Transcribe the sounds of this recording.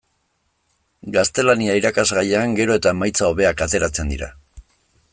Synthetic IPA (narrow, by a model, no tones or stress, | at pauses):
ɡast̪e̞laniaiɾakazɣajeaŋɡe̞ɾo̞e̞t̪aemajt͡sao̞βe̞akat̪e̞ɾat͡se̞nd̪ḭɾa̰